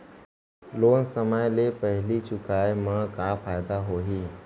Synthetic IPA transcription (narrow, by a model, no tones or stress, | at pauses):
loːnsəməjlepəɦlit͡ʃʊkaːemãkaːpʰaːɪd̪aɦoːɦiː